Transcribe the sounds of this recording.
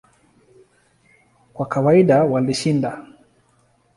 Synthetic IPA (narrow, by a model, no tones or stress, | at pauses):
kwakawaiɗawaliʃinda